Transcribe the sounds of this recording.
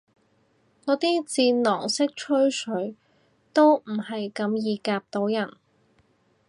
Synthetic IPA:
kɔː˨˥t̪iː˥t͡siː˧nlɔː˨˩ŋsɪ˥k̚t͡ʃʰɵ˥ɥsʰɵ˨˥ɥ | t̪o˥wm̩˨˩hɐ˨jkɐ˨˧˥mjiː˨˧kaː˧p̚t̪o˨˥wjɐ˨˩n

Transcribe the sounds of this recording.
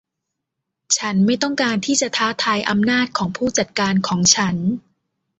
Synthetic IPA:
t͡ɕʰa˦˥nma˥˩jt̪ɔ˥˩ŋkaː˧nt̪ʰiː˥˩t͡ɕa˨˩t̪ʰaː˦˥t̪ʰaː˧jʔa˧mnaː˥˩t̪̚kʰɔː˩˦ŋpʰuː˥˩t͡ɕa˨˩t̪̚kaː˧nkʰɔː˩˦ŋt͡ɕʰa˦˥n

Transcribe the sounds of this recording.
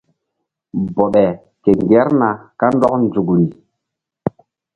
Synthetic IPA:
bɔ˨ɓɛ˨ | ke˨ŋɡɛ˨˦ɾna˨ka˦n˦dɔ˦k̚nd͡zu˨kɾi˨

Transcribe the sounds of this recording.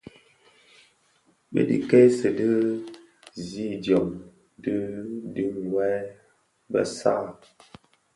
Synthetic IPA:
bə̰˦dḭ˨ke˦sə˨də˦ | zi˦djɔ˨m | dɨ˦dɨ˦mwɛ˦ | bə̰˦sa˦˨

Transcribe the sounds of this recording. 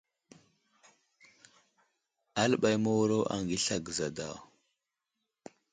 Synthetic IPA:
a˦lə˦ɓa˨jmo˦wu˦ɾo˦ʔa̰˨ŋɡi˦ɬa˨ɡə˨za˨da̰˨

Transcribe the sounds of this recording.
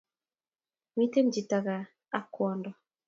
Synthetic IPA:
mi˦te˦md͡ʒi˨ta˨ɣa˨ | a˦kɔ˨ndɔ˨

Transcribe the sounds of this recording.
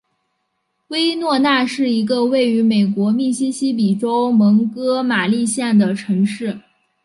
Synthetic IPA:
we˥ɪnwɔ˥˧na˥˧ʂɻ̩˥˩i˧˥ɡə˧we˥˩ɪy˧˥me˨˩ɪkwɔ˧˥mi˥˩ɕi˥ɕi˥p̬i˨˩ʈ͡ʂo˥ʊmɤ˧˥ŋkɤ˥ma˨˩li˥˧ɕjɛ˥˩nd̪ə˩ʈ͡ʂʰɤ˧˥ŋʂɻ̩˥˩

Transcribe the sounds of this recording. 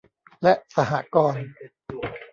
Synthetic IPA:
lɛ˦˥ʔsa˧ɦa˩kɔː˧n

